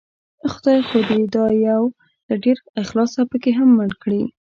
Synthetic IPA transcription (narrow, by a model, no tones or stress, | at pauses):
xʊd̪ɑjxod̪ed̪ɑjaw | ləɖeɾɪxlɑsapəkeɦamːəɳkɽi